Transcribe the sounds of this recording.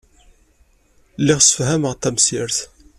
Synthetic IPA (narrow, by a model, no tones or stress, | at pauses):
lɪʁsəfɦæməʁt̪ːæmsiɾθ